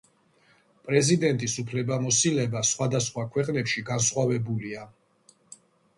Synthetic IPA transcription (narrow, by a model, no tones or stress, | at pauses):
pʼɾɛzid̪ɛnt̪ʼisupʰlɛbamɔsilɛbasχwad̪asχwakʰwɛqʼnɛpʃiɡansχwavɛbulia